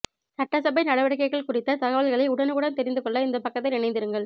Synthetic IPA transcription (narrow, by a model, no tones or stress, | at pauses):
sɐʈːɐsɐbɐɪnɐɽɐʋɐɽɐk̬ːɐɪɣɐɭkʊrɪt̪ːɐt̪ɐɣɐʋɐɭɣɐɭɐɪʊɽɐnɯkɯɽɐnt̪ɛɾɪnd̪ɯkɔɭːɐɪnd̪ɐpɐkːɐt̪ːɐɪnɪɳɐɪnd̪ɪɾɯŋɡɐɭ